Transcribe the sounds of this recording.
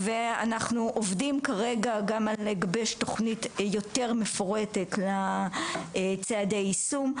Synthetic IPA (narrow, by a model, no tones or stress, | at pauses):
vea̰naχnuʔovdimkaʁe̞ɡaɡamaleɡabeʃto̞χnitjo̞te̞ʁme̞foʁe̞tetla | t͡seadejisum